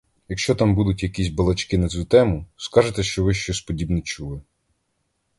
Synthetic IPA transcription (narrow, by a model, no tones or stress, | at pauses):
jɐkʃt͡ʃɔt̪ɑmbud̪ʊtʲjɐkʲis̬ʲbɐlˠɐt͡ʃkɪnɐt͡sʲut̪ɛmʊskɑʒet̪ɛʃt͡ʃɔʋɪʃt͡ʃɔsʲpɔdʲibnit͡ʃulˠɪ